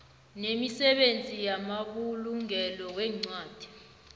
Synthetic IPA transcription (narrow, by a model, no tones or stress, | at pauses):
nemisɛɓent͡sʼijamaɓuluŋɛlɔk̬wɛːŋ͡ǀwaːd̥ʱi̥